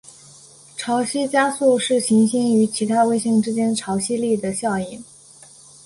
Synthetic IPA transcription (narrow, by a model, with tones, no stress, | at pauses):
ʈ͡ʂʰɑ˧˥ʊɕi˥t͡ɕja˥su˥˧ʂɻ̩˥˩ɕi˧˥ŋɕi˥ŋy˧˥t͡ɕʰi˧˥t̪ʰa˥we˥˧ɪɕi˥˩ŋʈ͡ʂɻ̩˥t͡ɕjɛ˥nʈ͡ʂʰɑ˧˥ʊɕi˥li˥˩d̪ə˩ɕjɑ˥˧ʊi˥˩n